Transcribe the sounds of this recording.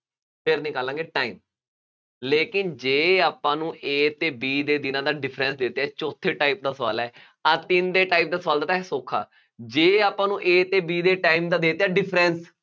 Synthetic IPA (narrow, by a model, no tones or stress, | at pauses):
pʰɪɾnĩːkəlãːŋɡeːʈaːiːm | leːkɪnd͡ʒeːaːpãːnũːʔeːt̪eːbiːd̪eːd̪ɪnãːd̪aːɖɪpʰɾɛ̃ːnsd̪eːt̪ːɛːt͡ʃɔːt̪ʰeːʈaːip̚d̪aːsəʋa̰ːlɛː | aːt̪ɪnd̪eːʈaːip̚d̪aːsəʋaːld̪aːt̪ːsoːkʰa̰ː | d͡ʒeːaːpãːnũːʔeːt̪eːbiːd̪eːʈaːimd̪aːd̪eːt̪eɛːɖɪpʰɾɛ̃ːns